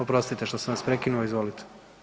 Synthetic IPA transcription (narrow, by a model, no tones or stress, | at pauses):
opɾo̞st̪it̪eʃt̪osenʋaspɾekinuoizʋolit̪ʰe̥